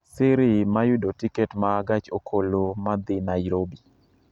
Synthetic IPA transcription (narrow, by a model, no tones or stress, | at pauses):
sɪɾɪmajʊdotikɛtmaɡat͡ʃokʰolomad̪ɪnaɪɾobi